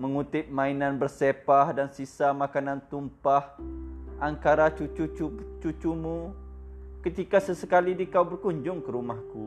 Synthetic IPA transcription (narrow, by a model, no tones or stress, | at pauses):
məŋut̪ɪp̚mãinanbərsepahdansisamakanãnt̪umpahʔaŋkaɾat͡ʃut͡ʃut͡ʃut͡ʃut͡ʃumu | kət̪ikasəsəkalidikawbərkuɲd͡ʒʊŋkəɾumahku